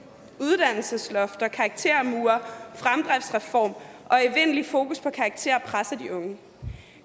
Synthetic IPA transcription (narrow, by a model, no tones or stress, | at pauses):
uð̞ˠd̥æn̰l̩səslɔ̽fd̥ɐkʰɑ̈ːɡ̥̚t͡sʰe̝̰ɐ̰muːɐfʁamd̥ʁɛfsʁɛfɒ̰ːmʔɒ̽eʋen̰lifo̝ːkuspʰɒ̽kʰɑ̈ɡ̥̚t͡sʰe̝̰ɐpʰʁasɐd̥iʔɔ̽ŋə